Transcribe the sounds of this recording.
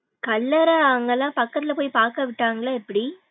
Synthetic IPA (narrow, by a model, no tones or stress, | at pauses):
kɐlːɐɾɐaŋɡɐlːãːpɐkːɐt̪ːɪlɐpoːjpaːɾkɐʋɪʈːaːŋɡɐɭɐɛpːɐɽi